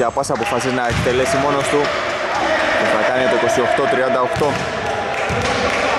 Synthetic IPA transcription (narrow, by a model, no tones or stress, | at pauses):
ɐpɐsɐpo̞fɐsiznɐek̚t̪e̞le̞simo̞no̞st̪u | keθɐkɐnit̪oiko̞sio̞xt̪o̞t̪ɾiɐnd̪ɐo̞xt̪o̞